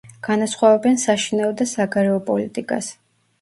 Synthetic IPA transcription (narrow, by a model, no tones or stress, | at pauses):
ɡ̥anasχwavɛbɛnsaʃinaɔd̪asaɡaɾɛɔpʼɔlit̪ʼikʼa̰s